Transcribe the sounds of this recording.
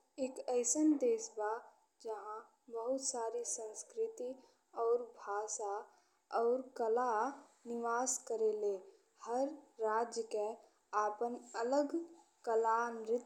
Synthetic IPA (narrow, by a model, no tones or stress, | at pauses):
eːkəɪsənd̪eːsba | d͡ʒəɦã | bəɦʊt̪saːɾisə̃nskɾɪt̪i | ɔːɾbʱaːsa | ɔːɾkəla | nɪʋaːskəɾeleː | həɾːaːd͡ʒjəke | aːpənələɡ | kəlaːnɾɪt̪